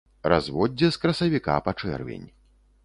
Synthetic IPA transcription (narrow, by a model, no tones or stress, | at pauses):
ra̰zvɔd͡zʲːɛskɾɐsɐvʲika̰pat͡ʂɛ̰rvʲḛnʲ